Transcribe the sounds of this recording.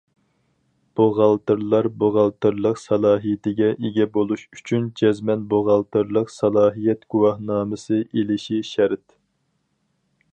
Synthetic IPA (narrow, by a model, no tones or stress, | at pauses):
b̥oʁɑlˠt̪ɨɾlˠɑɾboʁɑlˠt̪ɨɾlˠəqsɑlˠɑːɦijɪt̪ɪɡʲɛʔeɡʲɛbolˠuʃy̥t͡ʃʰynd͡ʒʰɛzmɛnboʁɑlˠt̪ɨɾlˠəqsɑlˠɑːɦijɛt̪ɡ̥uwɑhnɑːmɨsɨelɪʃiʃæɾt̪